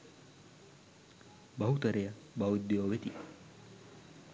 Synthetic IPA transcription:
bɐɦut̪ɐɾejɐ | bɐwud̪ːejoːʋet̪i

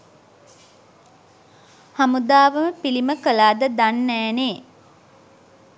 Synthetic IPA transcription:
hamud̪aːʋəməpiliməkəlaːd̪əd̪anːæːneː

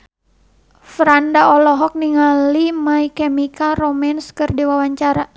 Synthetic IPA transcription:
fɾandaɔlɔɦɔk̚niŋalimaikɛmikaromɛnskɨrdiwawaɲt͡ʃaɾa

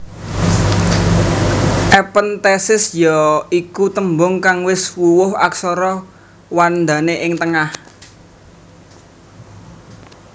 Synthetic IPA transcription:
ʔɛpənt̪ɛsɪsjɔikut̪əmbʊŋkaŋwɪswuwʊha̰ksɔɾɔ | wand̪a̤neʔɪŋt̪əŋah

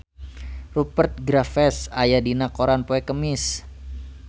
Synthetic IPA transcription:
rupərt̪̚ɡɾafɛsajadinakoɾanpoɛkəmɪs

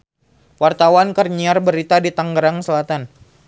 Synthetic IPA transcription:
wart̪awankərɲiarbəɾit̪adit̪aŋɡəɾaŋsəlat̪an

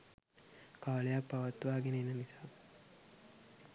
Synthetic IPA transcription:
kaːlejak̚paʋat̪ːuʋaːɡenəinənisaː

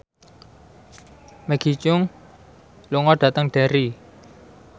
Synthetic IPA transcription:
mɛɡ̥i̤t͡ʃʊŋ | luŋɔɖ̥ä̤t̪əŋɖ̥a̤ɾi

